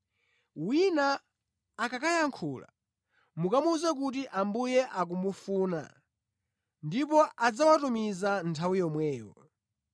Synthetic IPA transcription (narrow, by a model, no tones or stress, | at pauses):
winaː | kakajaŋkʰuːla̰ | mukamuzɛk̬ut̬iʔambujɛʔak̬umufuːna̰ | ndipɔʔad͡zawatumizantʰawijɔmwɛːwɔ̰